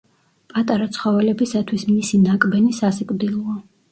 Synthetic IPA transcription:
pʼat̪ʼaɾat̪sʰχɔvɛlɛbisat̪ʰwismisinakʼbɛnisasɛkʼd̪ilˠɔa

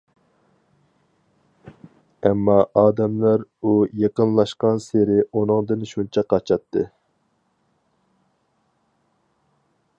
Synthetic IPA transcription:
ɛmːɑʔɑːd̪ɛmlæɾujeqənlˠɑʃqɑnseɾɪunɨŋd̪ɨnʃunt͡ʃʰɛqʰɑt͡ʃʰɑt̪ʰːɨ

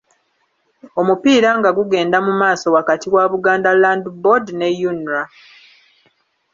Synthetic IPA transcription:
o̞mupiːɾaŋɡaɡuɡe̞ːndamumaːso̞wakatiwaβuɡaːndalaːndbodne̞junɾa

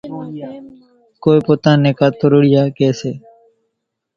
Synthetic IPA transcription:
koːipoːt̪ãːneːkaːt̪oɾʊɽɪjaːkeːseː

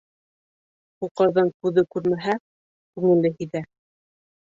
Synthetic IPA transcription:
quqɤ̆ɾðɤŋkʉðɘkʉɾmæɦæ | kʉŋɘ̆lːɘɦɵ̆jðæ

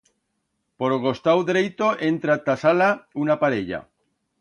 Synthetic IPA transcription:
po̞ɾɣo̞st̪awðɾejt̪o̞ʔe̞nt̪ɾat̪asalaunapaɾeʎa̰

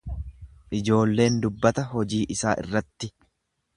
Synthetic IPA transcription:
ʔɪd͡ʒo̞ːlːe̞ːnd̪ʊbːɐt̪ɐɦɔd͡ʒiːʔɪsaːʔɪ̰rːɐt̪ːɪ

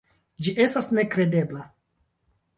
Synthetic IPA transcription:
d͡ʒiʔe̞stasne̞kɾe̞de̞bla

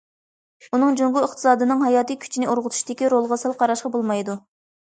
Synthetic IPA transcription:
unɨŋd͡ʒoŋɡuəχt̪ʰɨ̥sɑːd̪ɨnɨŋɦɑjɑːt̪ɨkʲʰy̥t͡ʃʰinɪoɾʁʊt̪ʰu̥ʃd̪ɪkʲiɾolˠʁɑsɨlˠqʰɑɾɑʃqɑbolˠmɑjd̪u

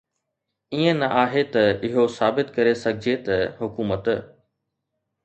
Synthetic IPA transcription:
iːə̃nɐʔaːɦet̪ɐɪɦosaːbɪt̪kɐɾesɐɡʱɪd͡ʑʱet̪ɐɦʊkuːmət̪

